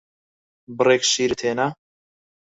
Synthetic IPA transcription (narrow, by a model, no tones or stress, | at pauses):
bɨreːkʃiːɾɨt̪ʰeːnɐ